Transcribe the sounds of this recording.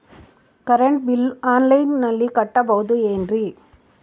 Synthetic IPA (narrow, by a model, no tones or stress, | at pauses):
kɐɾɐɳʈ̚bɪlaːnlɐɪnnɐlːikɐʈːɐpɐːðɯɛndri